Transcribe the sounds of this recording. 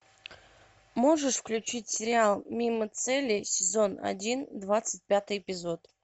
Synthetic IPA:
moʐəʂfklʲʉt͡ɕitʲsʲɪɾʲɪalˠmʲimət̪sɛlʲːɪsʲɪzo̞na̰dʲind̪vat̪sɨt̚ʲpʲat̪ɨjɪpʲɪzo̞t̪

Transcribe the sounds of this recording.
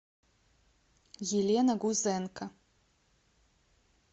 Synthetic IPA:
jelʲɛnɐɡuzɛnkɐ

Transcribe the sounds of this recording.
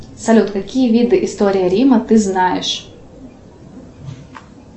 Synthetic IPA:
sɐlʲut̪kɐkʲijəvʲid̪ɨʔɪst̪oɾʲɪjəɾʲimɐt̪ɨznajɪʂ

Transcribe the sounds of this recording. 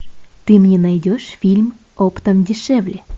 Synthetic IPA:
t̪ɨmnʲenɑjdʲoʃfʲilʲm | opt̪əmdʲiʃɛvlʲe

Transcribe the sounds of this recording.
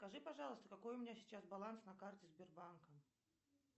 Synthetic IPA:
skaʐɨpaʐalˠəst̪əkakɔjumʲnʲasʲit͡ɕazbalˠansnɐkart͡sʲɛzʲbʲɛrbankɐm

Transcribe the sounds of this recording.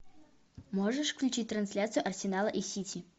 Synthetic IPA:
moʐəʂfklʲʉt͡ɕit̚ʲt̪ɾɐnsʲlʲat̪sɨjʊʔɐrsʲɪnalˠəʔisʲitʲi

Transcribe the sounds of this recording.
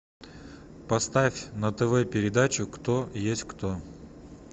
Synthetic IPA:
pɐst̪afʲnət̪əvɛpʲɪɾʲɪd̪at͡ɕʊkt̪ojesʲtʲkt̪o

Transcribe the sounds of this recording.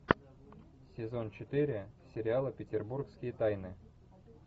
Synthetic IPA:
sʲɪzo̞nt͡ɕɪt̪ɨɾʲɪsʲɪɾʲɪalˠəpʲɪtʲɪrburkskʲɪjət̪ajnɨ

